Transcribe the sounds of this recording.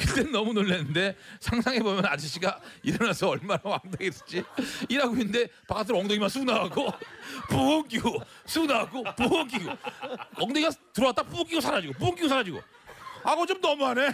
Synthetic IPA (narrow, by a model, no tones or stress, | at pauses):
kɯt͈ennʌmunoɭːenɯnde̞sʰaŋsʰaŋebomjʌnad͡ʑiɕʰiɡaiɾʌnasʰʌʌɭmanawaŋdoɡes͈t͡ɕ͈iiɾaɡoinɯnde̞pak͈at̬ʰɯɾʌŋdoɡimansʰunaaɡopuoŋk͈iɡosʰunaaɡopuoŋk̬͈iɡoʌŋdoɡimatɯɾʌat͈apuoŋk͈iɡosʰaɾad͡ʑiɡopuoŋk͈iɡosʰaɾad͡ʑiɡo̰ | aɡʌt͡ɕomnʌmane